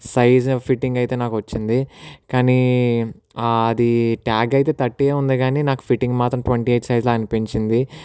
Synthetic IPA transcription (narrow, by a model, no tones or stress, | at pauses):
sɐjd͡ʒpʰiʈːiŋɡɐjt̪e̞ːnaːkuʋɐt͡ʃːind̪ikaːni | ɐd̪iʈaːɡɐjit̪e̞ːt̪ɐʈːieːund̪iɡaːniːnaːku̥pʰiʈːiŋɡmaːt̪ɾɐmʈʋɐɳʈieːʈsɐjd͡ʒloɐnipiɲt͡ʃind̪i